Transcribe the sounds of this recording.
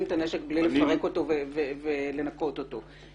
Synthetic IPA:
mt̪aneʃekblilefaʁekot̪ovevevele̞nako̞t̪ot̪o

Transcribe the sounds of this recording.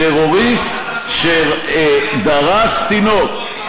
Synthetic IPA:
eʁoʁist̪ | ʃe | d̪aʁast̪inot̪

